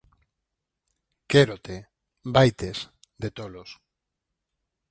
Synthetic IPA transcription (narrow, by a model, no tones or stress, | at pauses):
keɾot̪e | bajt̪esd̪et̪olos